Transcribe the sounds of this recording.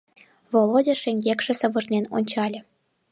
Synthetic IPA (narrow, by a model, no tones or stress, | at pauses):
volˠodʲĕʃĕŋʲɡʲekʃɘ̆sɤ̆βɤ̆rneno̰nʲt͡ɕɑlʲĕ